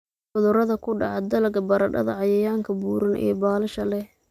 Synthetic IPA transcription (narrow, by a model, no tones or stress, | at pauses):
ħʊðʊɾɐðɐkʰʊɖɑʕɑd̪ɐlɐɡɐbɐɾɐɖɐ̰ðɐʕɑjɐjaːŋkʰɐbuːɾɐnʔɛ̰ːbaːlɐʃɐlɛ